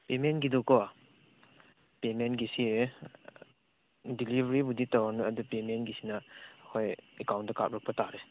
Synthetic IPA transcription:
pemenɡidɔkɔ | pemenɡisi | dilibʱɾibuditawanɯɐdupemenɡisinɐːkʰojekawndaka̰p̚ɾɔk̚pɐtaɾis

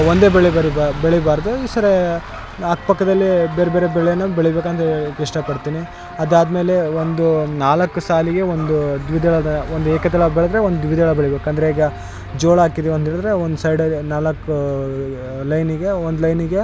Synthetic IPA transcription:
ond̪e̞ːbɛɭebɐɾiabeɭɛbaːɾd̪uiːsɐɾe | akpɐkːɐd̪ɐlːibeːɾebeːɾebɛɭɛjɐnːɐbeɭibeːkɐnt̪ɐiʂʈɐpɐɽt̪iːni | ɐd̪aːd̪me̞ːle̞ond̪unaːlɐkːusaːliɡe̞ond̪ud̪ʋid̪ɐɭɐd̪ɐond̪ueːkɐt̪̬ɛɭɐbɛɭɛd̪ɐɾeond̪ud̪ʋid̪ʱɐɭɐbeɭɛbeːkuɐnd̪ɾeiːɡɐ | d͡ʒoːɭaːkid̪eɐnt̪eːɭd̪ɐɾe̞ond̪usɐjɖɐnaːlɐkːu | lɐjniɡe̞ond̪ulɐjniɡe̞

